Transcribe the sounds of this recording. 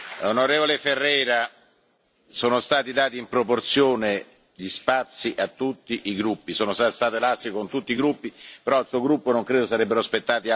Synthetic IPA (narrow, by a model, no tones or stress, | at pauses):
onoɾeːvoleferːɛːɾa | soːnost̪aːt̪id̪aːt̪iːmpɾoport̪sjoːne | ʎispat̪sːiʔat̪ːut̪ːiʔiɡɾupːisoːnost̪ast̪aːt̪ilast̪ikont̪ut̪ːiːɡɾupːipeɾɔilsuːoɡɾupːonoŋkɾeːd̪osaɾɛbːeɾoaspet̪ːaːt̪i